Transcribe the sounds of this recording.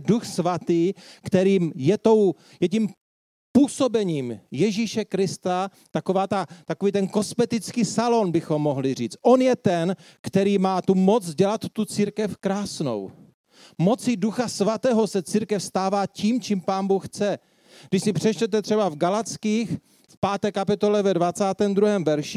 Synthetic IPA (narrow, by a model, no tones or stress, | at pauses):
duxsvat̪iːkt̪ɛɾiːmjɛt̪o̞w | jɛcim | puːso̞bɛɲiːmjɛʒiːʃɛkɾɪst̪a | t̪akovaːt̪at̪akoviːt̪ɛnko̞smɛt̪ɪt͡skiːsalo̞nbɪxo̞mːo̞ɦlɪriːt͡st̪ʔo̞njɛt̪ɛn | kt̪ɛɾiːmaːt̪umo̞t͡sɟɛlat̪ːut͡siːɾkɛfkɾaːsno̞̰w | mo̞t͡sɪduxasvat̪ɛːɦosɛt͡siːɾkɛfst̪aːvaːciːmt͡ʃimpaːnbuxxt͡sɛ | ɡdɪʃsɪpr̥ɛt͡ʃtɛt̪ɛt̪r̝̥ɛbavɡalat͡skiːx | fpaːt̪ɛːkapɪt̪o̞lɛvɛdvat͡saːt̪ɛːmd̪ɾuɦɛːmvɛɾʃɪ